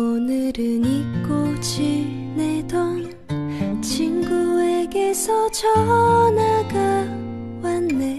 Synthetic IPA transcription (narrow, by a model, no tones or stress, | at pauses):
onɯɾɯnik͈od͡ʑi | nedoŋ | t͡ɕʰinɡueɡe̞sʰʌt͡ɕʰʌnaɡa | wanːe